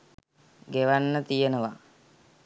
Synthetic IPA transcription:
ɡeʋanːət̪ijenəʋa

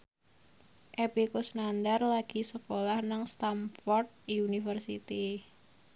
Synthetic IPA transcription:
ʔepikusnand̪arlaɡ̥isəkolahnaŋst̪amfɔrt̪̚iunifərsit̪i

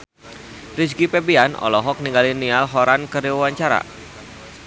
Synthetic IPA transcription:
risɡipɛbianɔ̰lɔɦɔk̚niŋɡalinialɦɔɾankəriwawaɲt͡ʃaɾa̰

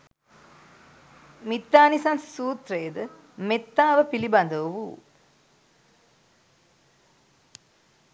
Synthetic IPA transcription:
mit̪ːaːnisansi̥suːt̪ɾejəd̪ə | met̪ːaːʋəpiliband̪əʋuʋṵː

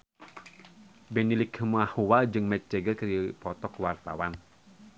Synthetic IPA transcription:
bɛnilikʰmahuwad͡ʒɨŋmɛt̪̚t͡ʃeɡətkaɾipɔt̪ɔkwart̪awan

